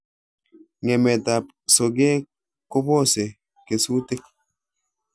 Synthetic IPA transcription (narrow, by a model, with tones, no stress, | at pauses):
ŋe˨mɛ˨ta˨p̚ | so˨ɡe˦ | ko˦po˦˨se˨ | ke˨su˦te˦k̚